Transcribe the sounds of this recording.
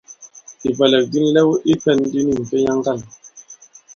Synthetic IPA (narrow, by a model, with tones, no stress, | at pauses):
i˨bɛ˨lɛ˨k̚di˦ni˦lɛ˦wu˦ʔi˦pɛ˦n˦di˦ni˦˨m̩˨pe˦ɲa˦ŋ˦ɡa˦˨l